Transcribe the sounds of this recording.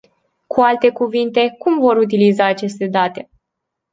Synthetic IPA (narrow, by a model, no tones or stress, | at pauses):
kʰualt̪e̞kuvint̪e̞kumvo̞ɾut̪̬ilizaːt͡ʃe̞st̪e̞d̪at̪e̞